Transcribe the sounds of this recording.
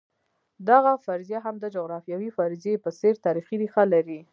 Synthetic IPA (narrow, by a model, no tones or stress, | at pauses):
d̪aɣafaɾzjaɦamd̪əd͡ʒʊɣɾɑfjɑwifaɾzepəseɾt̪ɑɾixiɾixalaɾi